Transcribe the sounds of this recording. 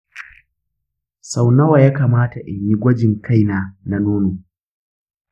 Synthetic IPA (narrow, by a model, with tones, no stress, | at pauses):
sa˨wnɐ˦wa˨jaː˦kaː˨maː˦ta˨ʔɪ˨ɲːi˦ɡʷɐ˦d͡ʒɪ˨ŋka˦jnaː˨na˨noː˦noː˨